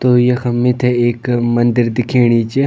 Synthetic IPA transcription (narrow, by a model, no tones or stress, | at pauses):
t̪oːjexɐmːɪt̪ʰeeːkmɐnd̪ɪɾd̪ɪkʰeːɽ̃it͡ʃe